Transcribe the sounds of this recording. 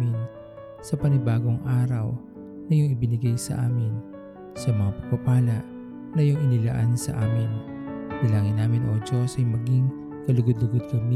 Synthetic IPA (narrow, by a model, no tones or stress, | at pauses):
mɪn | sɐpɐnɪbaːɡo̞ŋʔaːɾɐw | nɐjʊŋɪbɪnɪɡajsɐ̰ʔaːmɪn | sɐmɐŋapɐɡ̚pɐpaːlɐʔ | nɐjʊŋɪnɪlɐʔansɐ̰ʔaːmɪnp̪ɪlaːŋɪnːaːmɪnʔoːd͡ʒosɐjmɐɡiŋ | kɐlʊɡod̪lʊɡod̪̚kɐmɪ